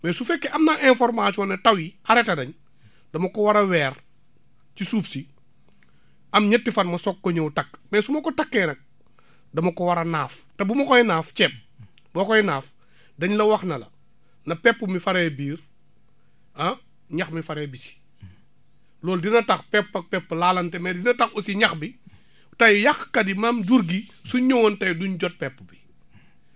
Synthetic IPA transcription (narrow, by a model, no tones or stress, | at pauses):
mɛːsufɛkːɛʔɐmnaʔɛ̃fɔɾmat͡ʃuɔnɐtɐwixɐɾɛtɐdɐɲ | dɐmɐkɔwɐɾɐwɛːr | cisuːfsi | ʔɐmɲətːifɐnmɐsɔkːɔɲowtɐkːmɛːsumɐkɔtɐkːɛːnɐk̚ | dɐmɐkɔwɐɾɐnaːf | tɐbumɐkɔjnaːfcɛp̚ | bɔːkɔjnaːf | dɐɲlɐwɐxnɐlɐ̰ | nɐpɛpːumifɐɾɛbiːr | ɐ | ɲɐxmifɐɾɛːbiti̥ | lɔːldinɐtɐxpɛpːɐk̚pɛpːlaːlɐntɛmɐdinɐtɐxusiɲɐxbi | tɐjjɐxkɐdimaːmduɾɡisuɲɔwɔntɐjduɲɟɔt̚pɛpːubi